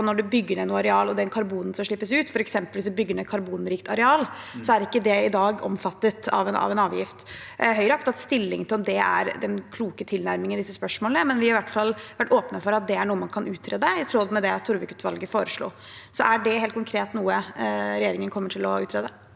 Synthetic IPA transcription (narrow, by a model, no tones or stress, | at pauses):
nɔɖʉbʏɡːəɳɛnuːɑɾɛɑːlɔd̪ɛnkʰɑɾbuːnn̩sɔmʂɭɪpːəsʉːt̪fɔɾɛksɛmpəlʋɪsd̪bʏɡːəɳɛt̪kʰɑɾbuːnɾiːkt̪ʰɑɾɛɑːl | sɔæɾɪkːəd̪ɛɪd̪ɑːɡɔ̰mfɑt̪ːət̪ɑ̰ʋɛnɑ̰ʋɛnɑːʋjɪft̪ɦœʏɾəɑk̚t̪ɑt̪st̪ɪlːɪŋt̪ʰɪlɔmd̪ɛæ̰ɾd̪ɛnkʰluːkət̪ʰɪlnæɾmɪŋənd̪ɪsːəspœʂmoːlnəmɛnʋɪhɑɾɪʋæʈːfɑlːʋæʈːoːpnəfɔɾɑt̪̚d̪ɛæɳuːəmɑnkʰɑnʉːt̪ʰɾeːd̪ɛɪt̪ʰɾɔd̪mɛd̪ɛt̪ʰːʊɾʋɪkʉ̥t̪ːʋɑ̰lɡəfoːɾəʂɭo̰ː | sɔæɖɛheːlt̪kʰʊŋkʰɾeːt̪nuːəɾɛjeːɾɪŋənkʰɔmːəʈʰɪlɔʉ̰ːt̪ʰɾeːd̪ɛ